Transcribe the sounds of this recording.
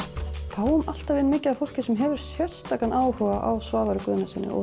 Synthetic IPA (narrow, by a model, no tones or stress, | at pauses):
θaːwʏmal̥t̪avɪnmɪːcɪafowl̥cɪsɛmɦɛvʏɾ̥sjɛr̥st̪aːkanʔaːwhɔɣaʔawsvaːvaɾʏkʏːðʏnasɪnːɪ̰ʔɔ̰